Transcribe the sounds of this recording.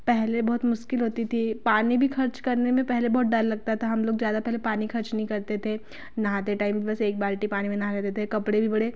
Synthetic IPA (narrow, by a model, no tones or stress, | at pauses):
pɛɦlebɔɦːt̪mʊʃkɪlɦoːt̪it̪ʰipaːnibʱixɐɾt͡ʃkɐɾnemẽpɛɦlebɔːt̪̚ɖallɐɡ̚t̪aɛt̪ʰaɦɐmloːɡzjaːd̪apɛɦlepaːnixɐɾt͡ʃnɐɦĩkɐɾt̪et̪ʰe | nɐɦãt̪eʈaːɪmbʱibɐseːk̚baːɾʈipaːnimẽnɐɦalɛːt̪et̪ʰekɐpɽebʱibɐɽe